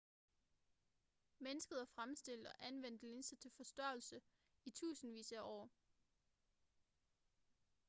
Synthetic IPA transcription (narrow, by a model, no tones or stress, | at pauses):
menəsɡ̥ð̩ˠʋɑ̈fʁamsd̥e̝l̰d̥ɒ̽ʔænʋen̰d̥le̝nsət͡sʰe̝lfɒ̽sd̥ɶɐ̰l̩sə | it͡sʰṵːsn̩ʋḭːsæʔɒ̰ː